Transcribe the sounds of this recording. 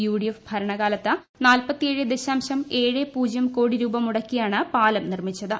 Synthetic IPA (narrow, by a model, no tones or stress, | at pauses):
juːɽijefbʱɐɾɐɳɐɣaːlɐt̪ːɨ | naːlpɐt̪ːijeːɻɨd̪eɕaːmɕɐme̞ːɻɨpuːd͡ʑɐmko̞ːɽiɾuːbɐmuɽɐkːijaːɳɨpaːlɐmnirmit͡ɕːɐðɨ